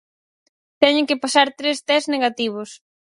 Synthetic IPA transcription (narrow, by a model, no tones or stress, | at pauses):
t̪ɛɲɪŋkɪpasaɾt̪ɾest̪ɛzneɣat̪iβ̞ʊs